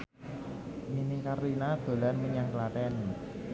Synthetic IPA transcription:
minikarlinad̪̥o̤lanməɲaŋklat̪ɛn

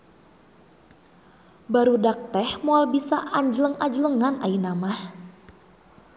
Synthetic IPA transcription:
baɾudak̚t̪ɛhmoalbisaʔaɲd͡ʒələŋad͡ʒələŋanʔainamah

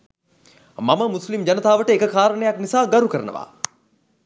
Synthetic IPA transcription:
maməmuslimd͡ʑanət̪aːʋəʈəekəkaːɾənəjaknisaːɡaɾukəɾə̰nə̰ʋa̰ː

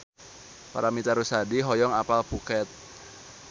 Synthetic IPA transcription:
pa̰ɾamit̪aɾusadiɦɔjɔŋapalpukɛt̪̚

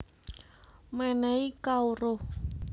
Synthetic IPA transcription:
mɛnɛikauɾo

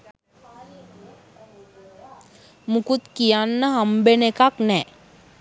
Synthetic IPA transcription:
mukut̪kijanːaɦɐmbenekaknɛ

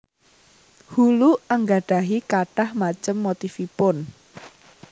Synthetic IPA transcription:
huluəŋɡaɖ̥a̤ɦikaɖ̥ahmat͡ʃəmːot̪ifipʊn

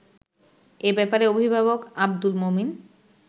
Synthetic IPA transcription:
ebɛpaɾeobʱibʱaβokab̚d̪ulmomin

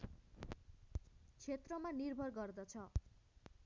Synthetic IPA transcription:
t͡sʰet̪rʌmanirbʱʌrɡʌrd̪ʌt͡sʰʌ

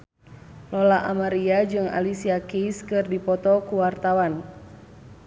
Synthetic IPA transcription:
lɔlaʔamaɾiad͡ʒɨŋa̰lisiakiskɨrdipɔt̪ɔkuwart̪awan

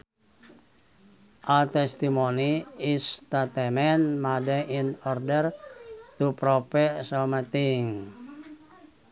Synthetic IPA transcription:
ʔat̪ɛst̪imoniist̪at̪ɛmɛnmadɛʔinɔrdɛrt̪upɾopɛʔsɔmət̪iŋ

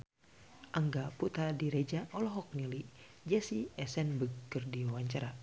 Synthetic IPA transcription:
ʔaŋɡaput̪adiɾɛd͡ʒaʔɔlɔɦɔk̚nili | d͡ʒɛsiɛsɛnbəɡərdiawaɲt͡ʃaɾa

